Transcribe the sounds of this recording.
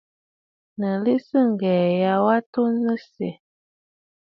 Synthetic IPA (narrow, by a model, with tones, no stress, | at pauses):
nə˨li˦sɨ˦ŋ̩˨ɡɛː˨ja˨wa˦to˦nɨ˦sɛ̰˨